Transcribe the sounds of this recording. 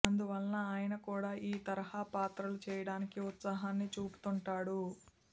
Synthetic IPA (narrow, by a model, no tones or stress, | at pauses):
ɐnd̪uʋɐlːɐaːjɐnɐkuːɽaːʔiːt̪ɐɾɐhaːpaːt̪ɾɐlut͡ʃɛːjɐɽaːnikiut̪sɐɦaːnːit͡ʃuːpu̥t̪uɳʈaːɽu